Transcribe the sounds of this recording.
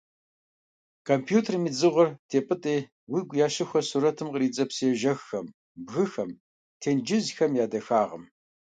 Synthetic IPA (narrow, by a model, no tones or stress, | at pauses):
kʰompʰjuːtʰermiːd͡zɨʁʷʊrtʰeːpʼɨtʼeː | wiːɡʷjaːɕɪxʷɐsuɾɐtʰɨmqəriːt͡sʼɐpsijɛʒɐxːɐm | bɣɨxɐm | tʰeːnd͡ʒɪzxɐmjaːdɐxaːʁə̰m